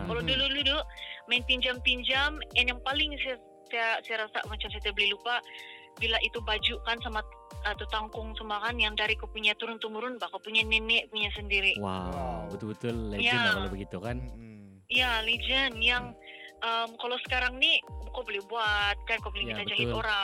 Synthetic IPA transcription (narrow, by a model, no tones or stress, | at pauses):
kalowdululudʊmaɪnp̪iɲd͡ʒamt̪iɲd͡ʒamanjaŋpalɪŋsaa | sajasajaɾasa̰mat͡ʃamsat̪iabəlɪlupa | bilaʔit̪ubad͡ʒuʔkansamaat̪ut̪aŋkʊŋsəmakanjaŋdaɾikopuɲat̪uɾʊnt̪umuɾʊnpakopuɲanɛnɛʔpuɲasəndiɾiʔwabət̪ʊlbət̪ʊlljaakalobəɡit̪ukan | ijalid͡ʒənjaŋʔəmkalowsə̥kaɾaŋnikobolɪhbuat̪̚kankobolɪit̪ad͡ʒaɦit̪oɾa